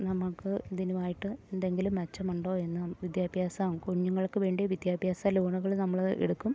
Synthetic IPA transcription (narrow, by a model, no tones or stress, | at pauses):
nɐmːɐɭkɨid̪inuʋaːjiʈːɨend̪e̞ŋɡilumːɐt͡ɕːɐmuɳɖo̞ːe̞nːɨʋid̪jaːbʱjaːsaːmkuɲːuŋːɐɭkːɨʋe̞ːɳɖijeʋid̪jaːbʱjaːsaluːɳuɣɐɭnɐmːɐɭʔḛɽukːum